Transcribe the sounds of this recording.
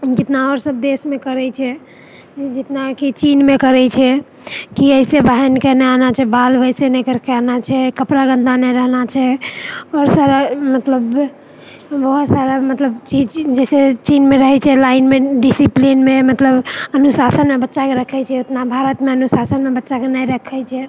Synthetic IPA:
d͡ʒɪt̪naɔɾsəbd̪esmekəɾɛt͡ʃʰɛ | d͡ʒɪt̪nakit͡ʃinmekəɾɛt͡ʃʰɛ | kiəɪsebaɦɛnkeneanat͡ʃʰɛbalʋəjsenekəɾkeanat͡ʃʰɛkəpɾaɡə̃nd̪ʱanɛɾəɦnat͡ʃʰɛɔɾsaɾamət̪ləb | bəɦut̪saɾamət̪ləbt͡ʃid͡ʒd͡ʒɛset͡ʃinmeɾəɦɛt͡ʃʰɛlaɪnmeɖisiplinmemət̪ləbənusasənmebətːʃakeɾəkʰɛt͡ʃʰɛot̪nabʱaɾət̪meənusasənmebətːʃakenəjɾəkʰɛt͡ʃʰɛ

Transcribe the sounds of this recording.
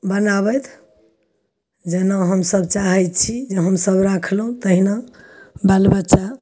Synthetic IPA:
bənaβət̪ʰ | d͡ʒenaɦəmsəbt͡ʃaɦɛt̪̚t͡ʃʰid͡ʒeɦəmsəbɾakʰlɦũt̪əɦinabalbətːt͡ʃa

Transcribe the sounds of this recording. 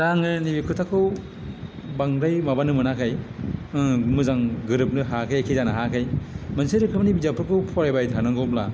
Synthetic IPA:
daŋɯnibikʰɯtʰakʰɯw | baŋɾajmabanɯmɯnakʰaj | mɯzaŋɡɯɾɯp̚nɯɦakʰajakʰizanɯɦakʰajmanseɾɯkʰɯmnibizapʰɯɾkʰɯwpʰɔɾajbajtʰanɯŋɡɔbla

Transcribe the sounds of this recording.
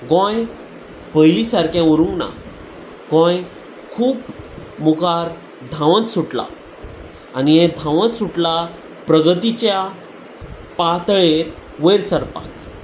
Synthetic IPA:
ɡɔ̃j | bəjlisaɾkjãuɾũŋɡna̰ | ɡɔ̃j | kʰuːpmukaɾ | d̪ʱãʋə̃t̪suʈla̰ | aniɦɛ̃d̪ʱãʋə̃t̪suʈla | pɾəɡət̪it͡ɕja | pat̪ɭeɾ | ʋəjɾsəɾpa̰k

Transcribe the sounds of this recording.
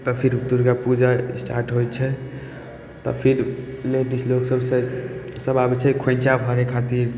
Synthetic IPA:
t̪ɔpʰiɾupt̪uɾkapud͡ʒasʈaɾʈɦojt͡ʃʰɛ | t̪ɔ̰pʰiɾleʈisloksəbsesəbabɛt͡ʃʰɛkʰẽnt͡ʃabʱəɾekʰat̪iɾ

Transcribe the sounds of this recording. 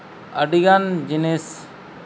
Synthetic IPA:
əɖiɡand͡ʒines

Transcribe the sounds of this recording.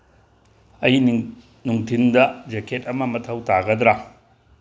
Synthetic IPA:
ɐji | nuŋtʰindɐd͡ʒekʰet̚ɐmɐmɐtʰɐwtaɡɐdɾa

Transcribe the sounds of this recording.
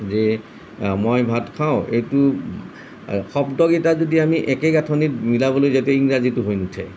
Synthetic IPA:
ze | mojbʱatkʰaʊ̃ejtu | xɔbdɔɡetazodiamiʔɛkeɡatʰɔnitmilabɔlojzatɛiŋɹazituɦojnutʰɛ̰

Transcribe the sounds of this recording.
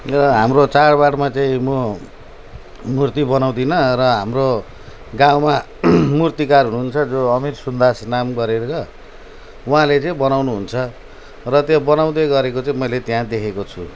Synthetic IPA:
rʌɦamrot͡sarbaɽmat͡saĩmo | murt̪ibʌnaw̃d̪inʌrʌɦamro | ɡãwma | murt̪ikarɦunuunt͡sʰʌd͡zoʌmirsund̪asnamɡʌɾeɾɾʌ | uɦãlet͡saĩbʌnawnuɦunt͡sʰʌ | rʌt̪jobʌnaw̃d̪eɡʌɾekot͡saĩmʌjlet̪jãd̪ekʰekot͡sʰu

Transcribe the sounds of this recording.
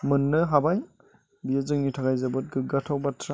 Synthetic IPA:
mɯnːɯɦabaj | bijezɯŋnitʰaɡajzabɯt̚ɡɯɡatʰawbatʰɾa

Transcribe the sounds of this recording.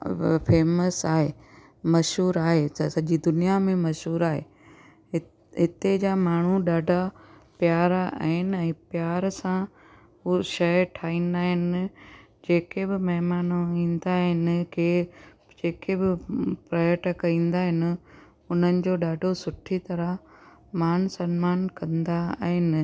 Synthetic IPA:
pʰeːməsaːɦeː | mɐʃɦuːɾaːɦessɐʄid̪ʊnijamẽmɐʃɦuːɾaːɦeː | ɦɪt̪ed͡ʑamaːɳ̤uɗaːɖʱapjaːɾa̰ːɦɪnɪ̆ɛ̃ːpjaːɾsã | ɦuʃɐʈʰaːĩːn̆d̪aːɦɪnɪ̆d͡ʑeːkebɪmɐɦɪmaːnoĩːnd̪aɦɪnɪ̆ke | d͡ʑeːkebɪpɾɐjəʈəkɐĩːn̆d̪aːɦɪnɪ̆ | ʊn̤ənɪ̆d͡ʑoːɗaːɖʱosʊʈʰit̪ɐɾə | maːn̤sɐnmaːnkɐ̃nd̪a̰ɦɪnɪ̆

